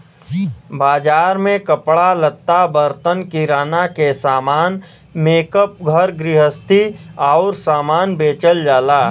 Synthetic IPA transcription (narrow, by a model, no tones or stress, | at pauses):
baːd͡ʒaːɾmẽkəpɽalət̪ːabəɾt̪ənkiɾaːnakesaːmaːn | meːkəp̚ɡʱəɾɡɾɪɦəst̪ʰiaʊɾsaːmaːnbeːt͡ʃəld͡ʒaːlaː